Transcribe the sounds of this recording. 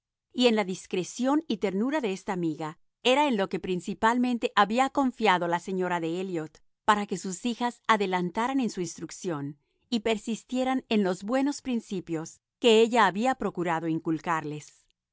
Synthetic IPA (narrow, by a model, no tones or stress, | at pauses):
ie̞nlaðiskɾe̞sjo̞nit̪e̞ɾnuɾaðe̞est̪aːmiɣa | e̞ɾaenlo̞ke̞pɾinsipalmẽnt̪e̞ʔaβiako̞ɱfjaðolase̞ɲo̞ɾaðe̞eljot̪ | paɾake̞susixasaðe̞lant̪aɾane̞nsuinst̪ɾuksjo̞n | ipe̞ɾsist̪je̞ɾane̞nlo̞zbwe̞no̞spɾinsipjo̞s | ke̞eʝaːβiapɾo̞kuɾaðo̞iŋkulkaɾle̞s